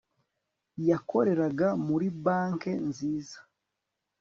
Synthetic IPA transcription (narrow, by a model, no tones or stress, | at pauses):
jakʰo̞ɾe̞ɾaɡamuɾibaːŋke̞nziːzḁ